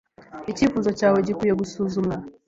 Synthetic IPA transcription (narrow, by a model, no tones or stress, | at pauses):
it͡ʃipuzɔt͡ʃawɛd͡ʒikujaɡusuzuma